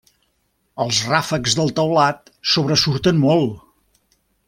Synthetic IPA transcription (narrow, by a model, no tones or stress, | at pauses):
əlˠzrafəkzðəlˠt̪əwlat̪ | soβɾəsuɾt̪ənmolˠ